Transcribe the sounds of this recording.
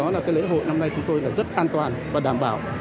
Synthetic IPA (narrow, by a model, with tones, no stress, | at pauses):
ɔ˨˦laː˨˩kaː˨˦jlḛ˧˥ɦo̰˧˨jna˧mna˧jt͡ɕʊ˨˦ŋ͡mt̪o˧jlaː˨˩zə˦˥t̚ʔaː˧nt̪waː˨˩nvaː˨˩ɗaː˧˩mɓa̰ː˧˩˨w